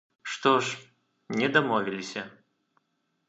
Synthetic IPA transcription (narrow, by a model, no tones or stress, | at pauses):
ʂt̪ɔʂ | nʲɛd̪amɔvʲilʲisʲɐ